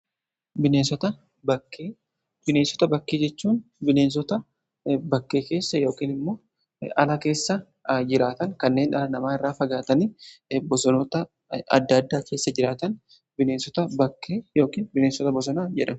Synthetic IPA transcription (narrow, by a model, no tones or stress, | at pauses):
bɪneːnsɔt̪ɐ | bɐkːeː | b̥ɪneːnsɔ̥t̪ɐbɐkːeːd͡ʒɛt͡ʃːuːnbɪneːns̬ɔt̪ɐ | bɐkːe̞ːke̞ːsːɐjo̞ːkiːnɪmːo̞ː | ʔɐlɐke̞ːsːɐ | d͡ʒɪɾaːt̪ɐŋkɐnːe̞ːnɐlɐnɐmaːɪrːaːfɐɡaːt̪ɐnibɔsɔnɔt̪ɐ | ɐ̰d̪ːɐːd̪ːaːkʰe̞ːsːɐd͡ʒɪɾaːt̪ɐn | bɪne̞ːnsɔt̪ɐbɐkːeːjo̞ːkiːnbɪneːnsɔt̪ɐbɔs̬ɔnaːd͡ʒɛ̰ᶑɐm